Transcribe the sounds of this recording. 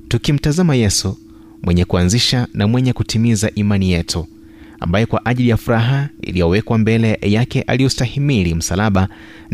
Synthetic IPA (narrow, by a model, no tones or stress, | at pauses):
tukim̩tazamajɛsu | mwɛɲɛkuanziʃanamwɛɲɛkutimizaʔimanijɛtʰu | a̰mbajɔkwaʔaʄilijafuɾaɦaḭlijɔwɛkwambɛlɛjakɛʔa̰liɔstahimiɾim̩salaɓa